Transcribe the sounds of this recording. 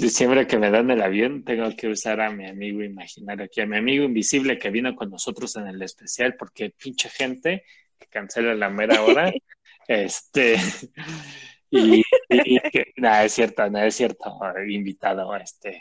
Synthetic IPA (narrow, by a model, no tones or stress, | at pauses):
sisjempɾeke̞me̞ðanelaβjo̞nt̪e̞ŋɡoke̞usaɾamiamiɣoimaxinaɾoakiamiamiɣoimbisiβle̞ke̞βino̞ko̞nːo̞so̞t̪ɾo̞se̞ne̞le̞spesjalpo̞ɾke̞pint͡ʃexe̞nt̪e̞ | ke̥kanse̞lalame̞ɾaoɾa | est̪e | i | kenoesːje̞ɾt̪onoesːje̞ɾt̪ʰoimbit̪að̞o̞est̪e̞